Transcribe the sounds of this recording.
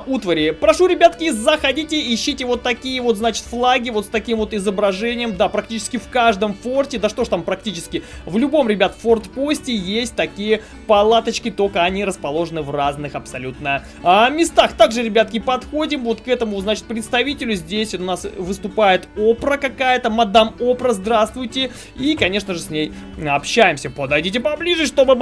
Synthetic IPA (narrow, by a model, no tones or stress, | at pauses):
ut̪vəɾʲɪpɾɐʂuɾʲɪbʲat̪kʲɪzəxɐdʲitʲɪɪɕːitʲɪvo̞t̪ːɐkʲijəvo̞t̪znat͡ɕɪ̥t̪flˠaɡʲɪvo̞t̪st̪ɐkʲimvo̞t̪ɪzəbɾɐʐɛnʲɪjəmd̪apɾɐk̚tʲit͡ɕɪ̥skʲɪfkaʐd̪əmfortʲɪd̪aʂt̪o̞ʂt̪ampɾɐktʲit͡ɕɪskʲɪvlʲʊbo̞mɾʲɪbʲat̪ə̥fo̞rt̪posʲtʲɪjesʲt̚ʲt̪ɐkʲijə | pɐlˠat̪ət͡ɕkʲɪt̪o̞kəɐnʲiɾəspɐlˠo̞ʐɨnɨvraznɨxɐpsɐlʲut̪nə | amʲɪst̪axt̪aɡʐɨɾʲɪbʲat̪̚kʲɪpɐt̪xo̞dʲɪmvo̞t̪kɛt̪əmʊznat͡ɕɪ̥t̪̚pɾʲɪt̪st̪ɐvʲitʲɪlʲʊzʲdʲesʲot̪ʊnasvɨst̪ʊpajɪt̪o̞pɾəkɐkajət̪əmɐd̪amopɾəzd̪ɾast̪vʊjtʲɪ | ikɐnʲe̞ʂnəʐɨsʲnʲej | ɐpɕːæjɪmsʲəpəd̪ɐjdʲitʲɪpɐblʲiʐɨʂt̪o̞bɨ